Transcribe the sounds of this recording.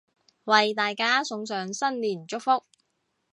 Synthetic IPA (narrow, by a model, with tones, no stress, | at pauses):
wɐ˨jt̪aː˨jkaː˥sʊ˨˧˥ŋsœː˨˧ŋsɐ˥nliː˨˩nt͡ʃʊ˥k̚fʊ˥k̚